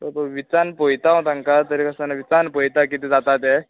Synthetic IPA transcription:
t̪əɾpəʋit͡sanpojt̪aɦõt̪aŋkat̪əɾikəsanaʋit͡sanpojt̪akit̪id͡zat̪at̪e

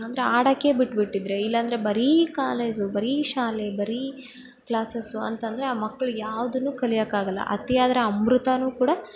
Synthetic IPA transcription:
ɐnd̪ɐɾeaːɽɐkːe̞biʈːbiʈːid̪ɾe̞ilːɐːnd̪ɐɾe̞bɐɾikaːleːd͡ʒubɐɾiʃaːlebɐɾi | kɭaːsesuɐ̰nt̪ɐnd̪ɐɾeaːmɐkːɐɭujaːʋɐd̪ɐnːuːkɐlijɐkːaːɡɐlːɐ̰ʔɐ̰t̪ijaːd̪ɐɾɐɐmɾut̪anuːkuːɽɐ

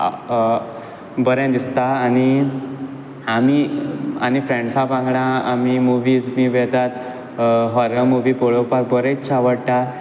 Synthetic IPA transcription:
bəɾɛ̃d̪ist̪aːni | amianifɾẽɳɖsapãŋɡɽãamimuʋid͡zmiʋɛt̪at̪ | ɦɔɾəmuʋipoɭəpak̚bəɾẽt͡sːt͡ɕʰaʋəɽt̪a

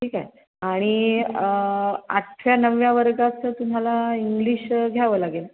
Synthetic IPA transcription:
ʈʰiːkaɦe | aɽ̃iəa̰ʈʰʋjanəʋjaʋəɾɡat͡sət̪um̤alaiŋɡliːɕɡʱjaʋəlaɡel

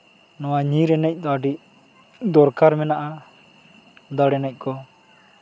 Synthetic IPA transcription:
nɔwaɲĩɾɛnɛc̚ˀd̪aɖic | d̪ɔɾkaɾmɛnaʔa | d̪ɔɽɛnɛc̚ˀkɔ

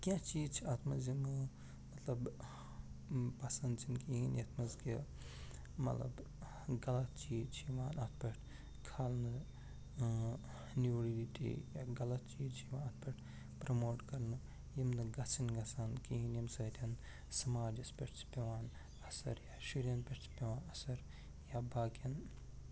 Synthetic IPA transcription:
kʲãt͡ʃiːzt͡ʃʰiat̪ʰmɐzjimɨ | mɐt̪lɐb | pɐsɐnd̪t͡ʃʰinkiinjɐt̪ʰmɐzki | mɐ̰t̪lɐ̰b | ɡɐlɐt̪̚t͡ʃiːt͡ʃʰiiʋaːnɐt̪̚ʰpɐʈʰ | kʰaːlnɨ | niʋɽilitḭjaːɡɐlɐt̪̚t͡ʃiːt͡ʃiʋaːnɐt̪̚ʰpɐʈʰ | pɾɐmoːʈkɐɾnɨ | jimnɨɡɐt͡sʰɐnɡɐsankiinimsɐɾʲɐn | sɐmaːd͡ʒɐspʲeʈt͡ʃʰpʲɐʋaːn | ɐsɐ̰ɾjaːʃuɾjɐnpʲeʈt͡ʃʰpʲeʋaːnɐsɐɾ | jabaːkjɐn

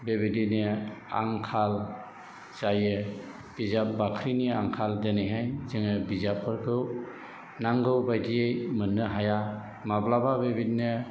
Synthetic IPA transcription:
bebidinia̰ŋkʰal | zajɯ | b̥izap̚bakʰɾiniaŋkʰaldenajɦajzɯŋɯbizap̚ʰɯɾkʰɯw | naŋɡɯwbajdijejmɯnːɯɦaja | mablababebidine

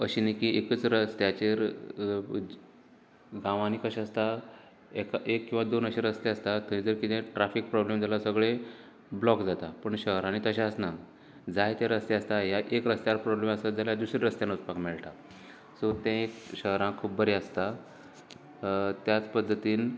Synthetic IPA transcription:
əɕinikĩekət͡sɾəst̪jat͡ɕeɾ | ɡãʋanikəɕast̪a | ekaʔekːĩw̃ʋad̪onəɕiɾəst̪eəst̪at̪ʰəĩd͡zəɾkit̪ẽʈɾafik̚pɾɔblemd͡zalasəɡɭe | blɔkd͡zat̪apəɳɕəɦɾanit̪əɕãəsna | d͡zajt̪ɛ̃ɾəst̪jeəst̪aɦjaʔekɾəst̪jaɾpɾɔbleməsad͡zaljad̪usɾiɾəst̪janot͡spakmeɭʈa | sot̪ɛ̃ekɕəɦɾãkʰuːp̚bəɾeəst̪a | t̪jat͡spəd̪ʱːət̪iːn

